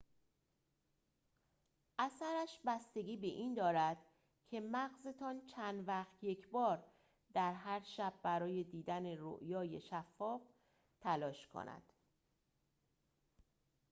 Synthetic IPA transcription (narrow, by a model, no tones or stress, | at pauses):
ʔæsæɾæʃbæst̪e̞ɡʲiːbe̞ʔiːnd̪ɒːɾæd̪̥ | cʰe̞mæɣze̞t̪ʰɒːnt͡ʃʰænd̪væχt̪je̞cʰbɒːɾ | d̪æɾɦæɾʃæbːæɾɒːje̞d̪iːd̪æne̞ɾo̰ʔjɒːje̞ʃæfːɒːf | t̪ʰælɒːʃkʰo̰næ̰d̪̥